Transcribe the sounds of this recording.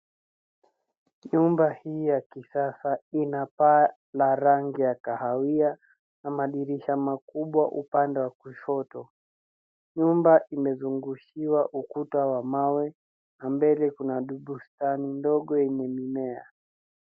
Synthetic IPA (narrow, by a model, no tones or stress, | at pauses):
ɲumbahiːjakisasainapa | laɾaŋɡijakahawia | namaɗiɾiʃamakuɓwaʔupandɛwakuʃɔtɔ | ɲumbaʔimɛzuŋɡuʃiwaʔukutawamawɛ | nambɛlɛkunaɗuɓustanindɔɠɔjɛɲɛmimɛa̰